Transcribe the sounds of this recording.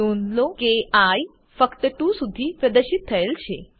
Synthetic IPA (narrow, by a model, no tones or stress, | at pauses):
onlokeaj | fəkt̪əʈũsud̪ʱipɾəd̪əɾʃit̪ʰːəelt͡ʃʰe